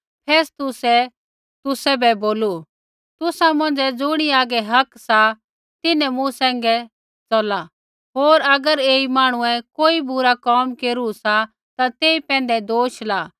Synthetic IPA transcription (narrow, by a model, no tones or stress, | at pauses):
pʰeːst̪ʊsɛ | t̪ʊsɛbɛboːlu | t̪ʊsamɐ̃nd͡ʒɛd͡zʊɽ̃iaːɡɛɦɐksa | t̪ɪnɛ̃mũsɛ̃ːŋɡɛ | t͡sɔla | ɦoːɾɐɡəɾeːimaːɽ̃ʊɛ̃koːibʊɾakɔːmkeːɾusa | t̪at̪eːipɛ̃ːnd̪ɛd̪oːʃlaː